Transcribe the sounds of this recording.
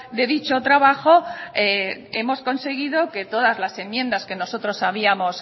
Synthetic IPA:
d̪e̞ðit͡ʃo̞t̪ɾaβaxo̞ee̞mo̞sko̞nse̞ɣ̞iðo̞ke̞t̪o̞ðazlase̞mjẽ̞nd̪aske̞no̞so̞t̪ɾo̞saβ̞iamo̞s

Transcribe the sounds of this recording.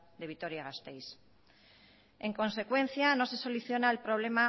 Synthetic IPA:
d̪e̞βit̪o̞ɾjaɣast̪ejs | e̞ŋko̞nse̞kwe̞n̟θjanose̞so̞luθjo̞naelpɾo̞β̞le̞ma

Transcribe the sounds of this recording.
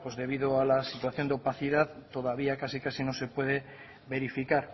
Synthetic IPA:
pozðe̞β̞iðoalasit̪waθjo̞nd̪eopaθiðaðt̪o̞ðaβ̞iakasikasino̞se̞pwe̞ð̞e̞ | βe̞ɾifikaɾ

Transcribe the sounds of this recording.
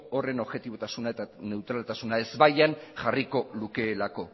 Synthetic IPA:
ore̞no̞βɣe̞t̪iβo̞t̪asunaet̪ane̞wt̪ɾalt̪asunae̞zβajanʝariko̞luke̞ːlako̞

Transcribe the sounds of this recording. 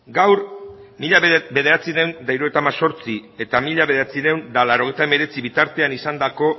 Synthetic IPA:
ɡawɾmiʎabe̞ð̞e̞ɾat͡sine̞wnd̪ajɾoet̪aːmaso̞ɾt͡sie̞t̪amiʎaβe̞ðe̞ɾat͡siɾe̞wnd̪alaɾo̞e̞jt̪aeme̞ɾe̞t͡siβit̪aɾt̪e̞anisand̪ako̞

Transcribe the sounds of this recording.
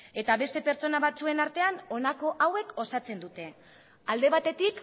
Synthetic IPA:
e̞t̪aβe̞st̪e̞pe̞ɾt͡so̞naβat͡sue̞naɾt̪e̞ano̞nako̞ʔawe̞ko̞sat͡se̞nd̪ut̪e̞ | ald̪e̞β̞at̪e̞t̪ik

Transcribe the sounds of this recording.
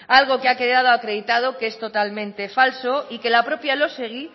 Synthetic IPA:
alɣ̞o̞keake̞ðað̞oakɾe̞ðit̪að̞o̞keest̪o̞t̪almẽnt̪e̞falso̞ike̞lapɾo̞pjalo̞seɣ̞i

